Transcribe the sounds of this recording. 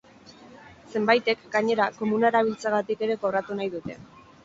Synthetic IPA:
se̞mbajt̪e̞kɡaɲe̞ɾako̞munaeɾaβ̞ilt͡saɣat̪ike̞ɾe̞koβɾat̪unajðut̪e̞̰

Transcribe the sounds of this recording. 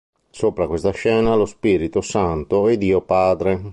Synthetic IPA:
soːpɾakwest̪aʃɛːnalospiɾit̪osant̪oɛd̪iːopaːd̪ɾe

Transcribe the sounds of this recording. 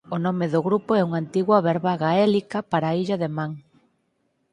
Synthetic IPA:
onɔmeðʊɣɾupoɛuŋant̪iɣwɐβɛɾβaɣaɛlikɐpaɾaiʎɐðemaŋ

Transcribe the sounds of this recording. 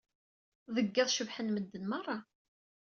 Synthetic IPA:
ðəɡːæðˤʃəvħənməd̪ːənmɑrˤːɑ

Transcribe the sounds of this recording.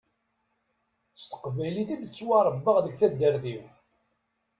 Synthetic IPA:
st̪ə̥qvæjliθid̪ət͡sːwɑɾˤəbːəʁðəɡθæd̪əɾθiw

